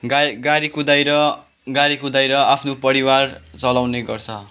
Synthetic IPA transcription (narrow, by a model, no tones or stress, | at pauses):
ɡɡaɾikod̪ajɾʌ | ɡaɾikod̪ajɾʌapʰnopʌɾiwart͡sʌlawneɡʌrt͡sʰʌ